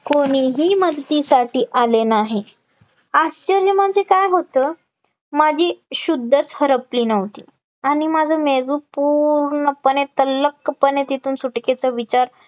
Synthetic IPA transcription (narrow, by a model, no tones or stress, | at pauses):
koɽ̃iɦiːməd̪t̪isaʈiːʔalenaɦe | ast͡ɕəɾjəməɳd͡zekajɦot̪ə | mad͡ʑʱiːɕud̪ʱːət͡shəɾəpliːnəʋt̪ḭː | aɽ̃imad͡zʱəmed͡zuːpuɾɳəpənet̪ələkːəpənet̪it̪ʰuːnsuʈket͡səʋit͡ɕaɾ